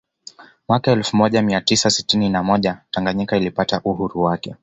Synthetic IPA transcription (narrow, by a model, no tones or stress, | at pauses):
mwakaɛlfumɔʄamiatisasitininamɔʄataŋɡaɲikailipataʔuhuɾuwakɛ